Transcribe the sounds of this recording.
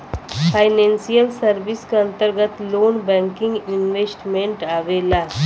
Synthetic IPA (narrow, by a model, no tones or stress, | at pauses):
pʰaːɪnẽːnsijəlsəɾʋɪskeɐ̃nt̪əɾɡət̪loːnbɛ̃ːŋkɪ̃ŋɡɪnʋeːsʈmẽɳʈaːʋeːlaː